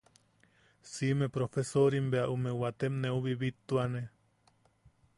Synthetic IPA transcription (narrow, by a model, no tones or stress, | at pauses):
simepɾofesoɾimbeaʔumewat̪emneuβiβit̪ːuane